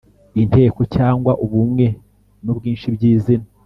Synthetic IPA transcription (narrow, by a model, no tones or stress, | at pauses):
inte̞ːko̞caːŋɡwaʔuβumŋe̞ | nubɡiːnʃibɟiːzina